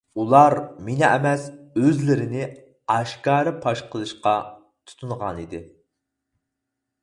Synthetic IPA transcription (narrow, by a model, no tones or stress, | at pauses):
ulˠɑɾmenɪɛmɛsøzlɪɾɪnɪ | ɑʃkɑːɾɨpʰɑʃqʰəlˠɨʃqɑ | t̪ʰu̥t̪ʰunʁɑnid̪ɪ